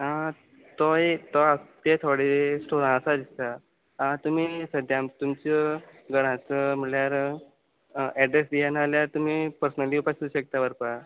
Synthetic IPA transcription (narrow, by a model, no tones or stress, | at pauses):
ɦã | t̪ɔet̪ɔat̪et̪ʰoɽesʈʰoɾãəsad̪it̪a | ãt̪um̤iːsəd̪ʱjamt̪umt͡ɕəɡəɽ̃ãt͡səm̤əɭjaɾ | ɛɖɾesd̪ijanaljaɾt̪umipəɾsnaliupasuɕək̚t̪abəɾpa